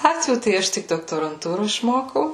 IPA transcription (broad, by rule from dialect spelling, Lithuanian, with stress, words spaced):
ˈlˠɑːtʲʋʲuː tɐɪ ˈɐʃ tʲɪk doːktoːrɐnˈtuːroː ɪʃˈmoːkɐʊ